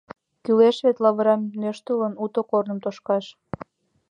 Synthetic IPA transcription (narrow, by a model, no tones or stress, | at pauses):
kyleʃβet̪lɑβəɾɑmnøʃt̪ələnut̪okornə̆mt̪oʃkɑʃ